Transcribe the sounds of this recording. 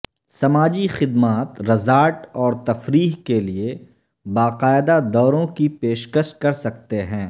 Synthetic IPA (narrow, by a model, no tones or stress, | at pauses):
sɐmaːd͡ʒixɪd̪maːt̪ɾɐzaːʈɔːɾt̪ɐfɾiːɦkelie | baːqaːɪd̪ad̪ɔːɾõkipeːʃkəʃkɐɾsɐk̚t̪eɦɛ̃ː